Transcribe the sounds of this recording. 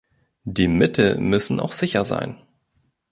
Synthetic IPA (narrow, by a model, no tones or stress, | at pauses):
d̥iːmɪtʰəmʏsn̩ʔa̰ʊxz̥ɪçɐza̰ɪn